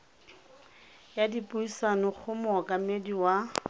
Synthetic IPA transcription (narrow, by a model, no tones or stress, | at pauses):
jadipʼʊisanɔχʰʊmɔkʼamediwa